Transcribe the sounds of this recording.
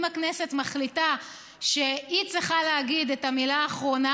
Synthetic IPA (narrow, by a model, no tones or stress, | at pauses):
maknese̞tmaχlita | ʃe̞it͡sʁiχaleaɡid̪etamilaːχʁo̞na